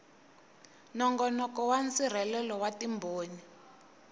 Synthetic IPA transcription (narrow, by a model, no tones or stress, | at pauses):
nɔŋɡɔnɔkɔwant͡sir̤ɛlɛlɔwatimbʱoːni